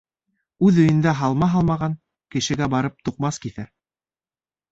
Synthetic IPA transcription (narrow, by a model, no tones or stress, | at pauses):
ʉðɵ̆jɘ̆nd̪æɦɑlˠmɑɦɑlˠmɑʁɑŋ | kɘ̆ʃɘ̆ɡæbɑɾɤp̚t̪uqmɑskiθæ